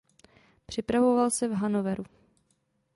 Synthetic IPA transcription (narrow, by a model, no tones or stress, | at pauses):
pr̝̥ɪpɾavo̞valsɛvɦanovɛɾu